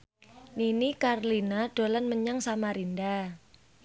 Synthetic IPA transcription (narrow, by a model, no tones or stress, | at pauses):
ninikarlinaɖ̥olanməɲaŋsamaɾinda